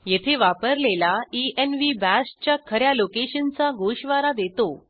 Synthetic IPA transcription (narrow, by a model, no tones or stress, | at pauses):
jet̪ʰeʋapəɾlelaienʋibæst͡ɕjakʰəɾjalokeɕənt͡saɡoɕʋaɾad̪et̪o